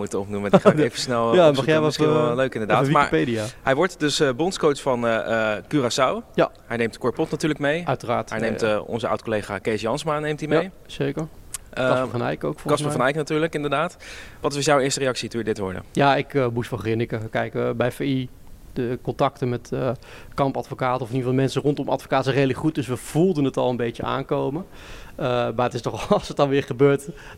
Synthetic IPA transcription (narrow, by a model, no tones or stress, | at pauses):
mutəɔpnumfəsnɛlˠjamɑχjɛɔløɥkɪndədːʋimaːipejdijaɦɛjʋɔɹtdɵsəbɔnskowtfɑnəkyrasawja̰ɦɛjnejmtkɔɹpɔtnatyːɹləkmejœɥtəraːtɛjnejmtɔ̰nzəa̰wtkolejχa̰ːkejsjɑnsmanejmtimej | sejkəɹsfɑnɛ̰jkowkfɔkɑspəfɑnɛjknatyːɹləkɪndəɹdaːtʋɑtʋɪsjawɪːɹstərejɑksitujdɪtʋɔ̰ɹdə̰jaːɪkmustʋɑχrɪnɪkəkɛjkbɛjfei | dəkɔntɑktənmɛtə | kɑmpɑtfokaːtəɔfɪniːəvɑlˠmɛnsərɔntɔmɑ̰tfo̥kaːtəsɛrejləkχut̚dɵsʋəv̥ulˠdənɦətɑlˠənbejəa̰ːŋkowmə | əmaːətɪstɔχlˠsət̚ɑnʋɪːɹχəbøːɹt